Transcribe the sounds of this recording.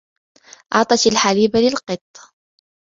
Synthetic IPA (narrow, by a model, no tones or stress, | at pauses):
ʔɑʕt̪ˤɑt̪alħaliːbalɪlqɨt̪ˤː